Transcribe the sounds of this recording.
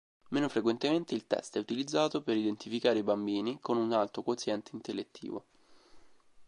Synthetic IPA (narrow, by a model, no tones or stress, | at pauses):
meːnofɾekwent̪ement̪eilt̪ɛ̰st̪ɛut̪ilid̪zːaːt̪opeɾid̪ent̪ifikaːɾeibambiːnikonunalt̪ɾokot̪sjɛnt̪eint̪elːet̪ːḭːvo̰